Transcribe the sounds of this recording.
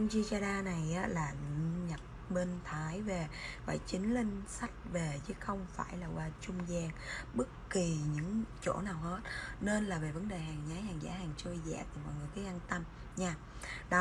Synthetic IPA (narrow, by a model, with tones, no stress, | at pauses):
ŋt͡ɕi˧t͡ɕaː˧ɗaː˧na˨˩jʔaː˨˦laː˨˩ɲə˨˩t̚ɓe˧nt̪ʰaː˨˦jve˨˩va̰ː˧˩jt͡ɕï˨˦ŋ̟lï˧ŋ̟sa˦˥jk̟̚ve˨˩t͡ɕɨ˨˦xə˧wŋ͡mfaː˧˩jlaː˨˩waː˧˩t͡ɕʊ˧ŋ͡mzɛː˧˩ŋɓɨ˦˥k̚ki˨˩ɲɨ̰˧˥ŋt͡ɕo̰˧˥naː˨˩whe˦˥t̚ne˧nlaː˨˩ve˨˩və˨˦nɗe˨˩ɦaː˨˩ŋzaː˨˦jhaː˨˩ŋza̰ː˨˦haː˨˩ŋt͡ɕə˧jzɛ̰ː˧˨t̪ɨ˨˩mɔ̰˧˨jŋɨ˨˩əjt̪i˨˦ʔa˧nt̪ə˧m | ɲaː˧ | ɗɔ˨˦